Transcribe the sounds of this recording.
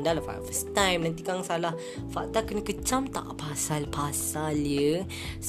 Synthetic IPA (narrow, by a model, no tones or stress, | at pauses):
ndalafa̰fəst̪ãjmnãnt̪ikaŋsalah | faʔ̚t̪akənəkət͡ʃamt̪a̰ʔpasalpasaljə | s